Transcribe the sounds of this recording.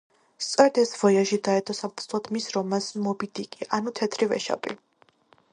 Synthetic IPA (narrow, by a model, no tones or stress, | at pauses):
st̪sʼɔɾɛd̪ɛsvɔjaʃid̪aɛt̪ʼɔsamsʰlˠɔt̪ʰmisɾɔmasmɔbid̪ikʼiʔanut̪ʰɛt̪ʰɾivɛ̰ʃa̰pʼḭ